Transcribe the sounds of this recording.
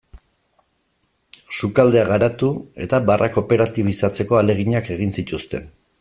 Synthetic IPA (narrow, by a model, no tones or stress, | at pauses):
sukald̪e̞aɣaɾat̪ue̞̰t̪abarʔako̞pe̞ɾat̪iβ̞isat͡se̞ko̞ale̞ɣ̞iɲake̞ɣ̞insit̪ust̪e̞n